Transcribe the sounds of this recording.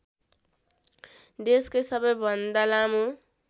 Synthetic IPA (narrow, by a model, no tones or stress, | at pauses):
d̪eskojsʌbʌjbʱʌnd̪alamu